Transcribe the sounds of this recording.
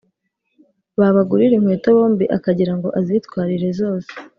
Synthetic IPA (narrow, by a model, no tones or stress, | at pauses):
βaβaɡuɾiɾeŋ̥weːtoβo̞ːmbiʔakaɟiɾaŋɡo̞ʔazitwaːɾiɾe̞zo̞ːse̥